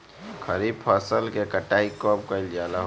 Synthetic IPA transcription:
kʰəɾibpʰəsəlkekəʈaːikɔp̚kəɪld͡ʒaːlaɦ

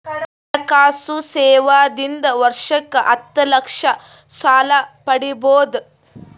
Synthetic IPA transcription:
ɐkaːsusɛːʋaːd̪ind̪ɐʋɐɾʂɐkːɐʔɐt̪ːɐlɐkʂɐ | saːlɐpɐɽiboːd̪

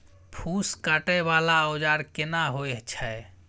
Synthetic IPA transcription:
pʰuskaʈɛbalaəʊd͡ʒaɾkenaɦoeɦt͡ʃʰɛ

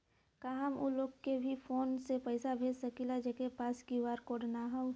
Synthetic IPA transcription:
kaːɦəmoloɡkebʱifʰoːnsepəɪsabʱeːd͡ʒsɐkilad͡ʒɛkepaːskiʋaːɾkoːɾnaɦaw

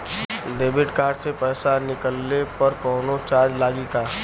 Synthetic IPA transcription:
d̪eːbɪʈkaːɾɖsepɛːsanɪkəlːepəɾkɔːnot͡ʃaːd͡ʒlaːɡikaː

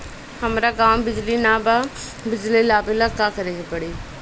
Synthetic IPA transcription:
həmɾaːɡaːmbɪd͡ʒlinaːba | bɪd͡ʒlilaːbɪlakakəɾeːɡepəɽiː

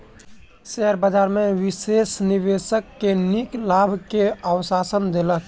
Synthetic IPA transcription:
sɛɦəɾbəd͡ʒaɾmeʋisesniʋesəkːeniklabʱkeəwsasənd̪elək

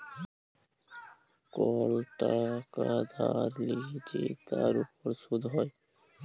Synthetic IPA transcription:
kɔlʈakad̪ʱaɾleɡit͡ʃet̪aɾupoɾsud̪ʱɦɔj

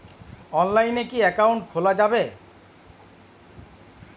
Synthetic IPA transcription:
ɔnlajnekiɛkawɳʈkʰolad͡ʑabe

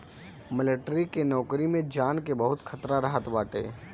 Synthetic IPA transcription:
mɪlɪʈɾikenɔːkɾimẽd͡ʒaːnkebəɦʊt̪kʰət̪ɾaɾəɦət̪baːʈḛː

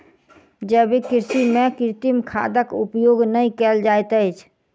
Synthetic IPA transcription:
d͡ʒɛːbikɪɾsimẽkɪɾt̪imkʰa̰ːd̪əkupjoːɡnəĩkɛld͡ʒajt̪ət͡ʃʰ

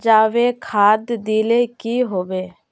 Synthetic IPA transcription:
d͡ʒaːʋekʰaːd̪d̪iːleːkiɦoːʋeː

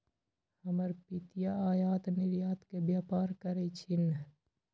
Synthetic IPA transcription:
həməɾpit̪ijaaːjaːt̪nɪɾjaːt̪kebjaːpaːɾkəɾet͡ʃʰɪn

